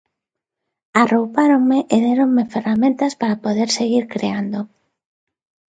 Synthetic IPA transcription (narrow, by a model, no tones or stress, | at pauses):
arowpaɾoŋmeʔeðeɾoŋmeferamẽnt̪aspaɾapoðeɾseɣiɾkɾeand̪o